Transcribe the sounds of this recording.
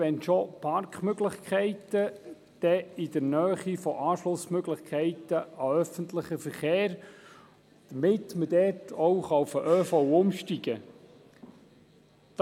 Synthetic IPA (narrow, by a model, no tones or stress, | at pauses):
ɛnʃopʰɑrkχmøɡlɪχkʰɛɪt̪ə | d̪̥ɛɪd̥əɾnœːχifɔʔɑːʃlʊsmøɡlɪχkʰɛɪtəɑœfənt̪lɪχəfəɾχeːɾ | d̪̥əmɪtmədɛtʰɔwχɑufəʔœːfɔwʊmʃtiɡə | d̪̥